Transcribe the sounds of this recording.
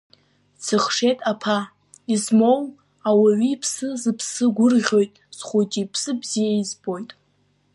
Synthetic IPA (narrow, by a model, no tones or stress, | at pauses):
t͡sʰɨχʂetʼapʰa | izmo̞w | awaɥipʰsɨzɨpʰsɨɡʷʊrʁʲo̞jtʼz̥χʷujt͡ʃʼipʰsɨbzijaizbo̞jtʼ